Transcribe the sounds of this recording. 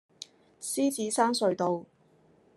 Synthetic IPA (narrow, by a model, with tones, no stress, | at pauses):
siː˥t͡siː˨˥saː˥nsɵ˧ɥt̪o˨w